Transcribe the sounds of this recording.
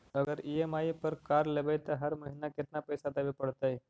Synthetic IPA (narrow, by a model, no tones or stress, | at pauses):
əɡəɾiemaipəɾkaɾlebəjt̪əɦəɾməɦinakɪt̪napəjsad̪abipəɽt̪aj